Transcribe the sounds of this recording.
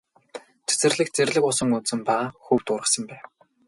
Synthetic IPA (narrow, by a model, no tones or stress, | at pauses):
t͡sʰe̥t͡sɘ̆rɮɘ̆kt͡serɮɘ̆kʊsə̆ŋut͡sɘ̆mpaxuw̥t̪ʊːɾʁə̆sə̆mpæː